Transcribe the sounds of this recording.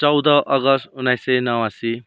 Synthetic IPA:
t͡sʌwd̪ʌʔʌɡʌst̪unːajsenʌwasi

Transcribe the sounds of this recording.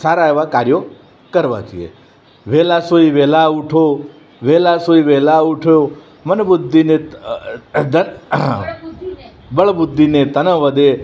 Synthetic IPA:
saɾaeʋakaɾjo | kəɾʋa̰d͡ʒḭḛ | ʋelasoiʋelauʈʰo | ʋelasoiʋelauʈʰo | mənbʊd̪ʱːine | d̪ə | bəɭbʊd̪ʱːinet̪ənə̃ʋəd̪e

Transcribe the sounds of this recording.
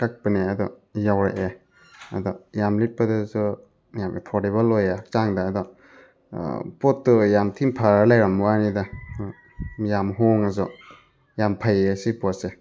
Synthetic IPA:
kak̚paneadɔ | jawɾaʔe | a̰dɔjamlit̚padazɔ | jamʔepʰɔɾtebalːojat͡ʃaŋdaːdɔ | pɔtːujamtʰimpʰaɾalajɾamwanida | jamɦɔŋazɔ | jampʰajesipɔse

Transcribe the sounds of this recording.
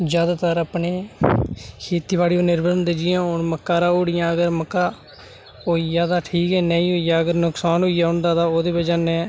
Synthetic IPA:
d͡ʒjaːd̪aːt̪əɾaːpneː | kʰeːt̪iːbaːɽiːoːnɪɾbəɾənd̪eːd͡ʒɪjãːɦonməkːaːɾaːoːɽɪjãːəɡəɾməkːaː | oːiːjaːd̪aːʈʰiːkɛːnəĩːɦoːijaːəɡəɾnʊksaːnɦoːiːaːʊɳd̪aːd̪aːoːd̪eːbəd͡ʒãːnɛ̃ː

